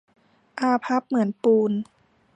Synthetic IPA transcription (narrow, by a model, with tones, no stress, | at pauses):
ʔaː˧pʰa˦˥p̚mɯ˩˦ənpuː˧n